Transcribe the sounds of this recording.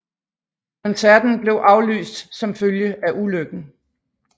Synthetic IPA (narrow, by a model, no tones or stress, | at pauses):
kʰɒnsæɐ̰d̥n̩b̥le̝ʊʔɑ̈ʊly̰ːsd̥sɒ̽mføljəʔæʔuløɡ̥n̩